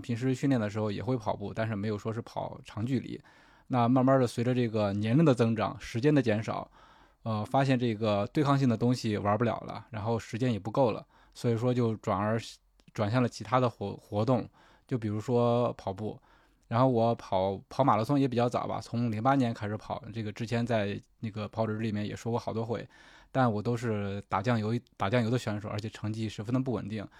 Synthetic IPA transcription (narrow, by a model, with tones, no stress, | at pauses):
pʰi˧˥ŋʂ̬ɻ̩˧˥ɕy˥˧ljɛ˥˩nd̪ə˩ʂ̬ɻ̩˧˥xo˥˧ʊjɛ˨˩xwe˥˩ɪpʰɑ˨˩ʊpu˥˩t̪a˥˧nʂ̬ɻ̩˥˩me˧˥ɪjo˨˩ʊʂwɔ˥ʂɻ̩˥˩pʰɑ˨˩˦ʊʈ͡ʂʰɑ˧˥ŋt͡ɕy˥˩lḭ˧˩˦ | na˥˧ma˥˩nma˥d̪ə˩swe˧˥ɪʈ͡ʂə˧ʈ͡ʂɤ˥˩ɡə˩njɛ˧˥nli˥˩d̪ə˩t͡sɤ˥ŋʈ͡ʂɑ̰˨˩˦ŋʂɻ̩˧˥t͡ɕjɛ˥nd̪ə˨t͡ɕjɛ˧˥nʂɑ̰˨˩˦ʊ | ə˧fa˥ɕ̬jɛ˥˧nʈ͡ʂɤ˥˩˥ɡə˩t̪we˥˧ɪkʰɑ˥˧ŋɕ̬i˥˩ŋd̪ə˩t̪ʊ˥ŋɕi˨wə˞˧˥pu˥˩ljɑ̰˨˩ʊlə̰˦ɻa˧˥nxo˥˩˧ʊʂɻ̩˧˥t͡ɕjɛ˥njɛ˨˩pu˧˥ko˥˩ʊlə̰˩ | swɔ˧˥i˨˩ʂ̬wɔ˥t͡ɕjo˥˩ʊʈ͡ʂwa̰˨˩nə˞˧˥ | ʈ͡ʂwa˨˩nɕjɑ˥˩lə˩t͡ɕʰi˧˥t̪ʰa˥d̪ə˨˧˥xwɔ˧˥t̪ʊ˥˩ŋ | t͡ɕjo˥˩ʊp̬i˨˩ɻu˧˥ʂwɔ˥pʰɑ˨˩ʊpu˥˩ | ɻa˧˥nxo˥˩ʊwɔ˧˥pʰɑ˨˧˩ʊpʰɑ˧˥ʊma˨˩lt͡sʰʊ˥ŋjɛ˧˥p̬i˨˩t͡ɕjɑ˥˩ʊt͡sɑ̰˨˩ʊbɐ̰˧t͡sʰʊ˧˥ŋli˧˥ŋpa˥njɛ˧˥nkʰa˥ɪʂɻ̩˧˥pʰɑ˨˩˦ʊʈ͡ʂɤ˥˩ɡə˩ʈ͡ʂɻ̩˥t͡ɕʰjɛ˧˥nt͡sa˥˧ɪnə˥˩ɡə˩pʰɑ˧˥ʊʈ͡ʂɻ̩˧˥li˨˩mjɛ˥˩njɛ̰˨˩ʂwɔ˥kwɔ˥˩xɑ˨˩ʊt̪wɔ˥xwe˥˩ɪt̪a˥˩nwɔ˨˩t̪̬o˥ʊʂ̬ɻ̩˥˧t̪a˨˩t͡ɕjɑ˥˩ŋjo˧˥ʊ˧˩t̪a˨˩t͡ɕjɑ˥˧ŋjo˧˥ʊə˧ɕɥɛ˧˥nʂo˨˩ʊə˞˧˥t͡ɕʰɛ˨˩ʈ͡ʂʰɤ˧˥ŋt͡ɕi˥ʂɻ̩˧˥fə˥nd̪ə˧p̬u˥˩wə̰˨˩nt̪i˥˩ŋ